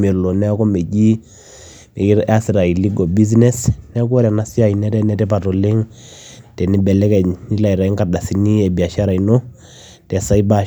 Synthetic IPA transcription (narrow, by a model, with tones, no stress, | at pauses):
me˨lo˨nɛ˦kɔ˦me˨ɟi˦ | ni˨˦a˦si˨ɾa˨i˨li˦ɡo˨bi˦z̬nɛ˦snɛ˦kɔ˦ɾɛ˨na˦si˦a˨i˨nɛ˦tɛ˦nɛ˦tɛ˦pa˨to˨le˦ŋ | tɛ˨ni˦bɛ˨lɛ˦kɛ˨ni˦la˨i˨ɾa˨i˦ŋka˨da˨si˨ni˦ɛ˨bi˨a˨ʃa˦ɾa˨i˨no˦ | tɛ˨sa˦i˦ba˦